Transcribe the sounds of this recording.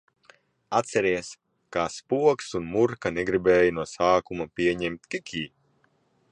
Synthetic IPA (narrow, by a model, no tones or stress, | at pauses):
at̪sɛɾiɛs | kaːspuɔksunmuɾkaneɡɾibeːjinuɔsaːkumapʲiɛɲɛmt̪ʲkʲikʰʲiː